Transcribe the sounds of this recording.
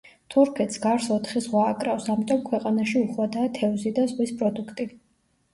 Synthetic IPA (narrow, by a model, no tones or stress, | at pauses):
t̪ʰuɾkʰɛt̪sɡ̥aɾsɔt̪ʰχizʁwaːkʼɾafsamit̪ʼɔmkʰwɛqʼanaʃiuχwad̪aːt̪ʰɛvzid̪azʁwispʼɾɔd̪ukʰt̪ʼi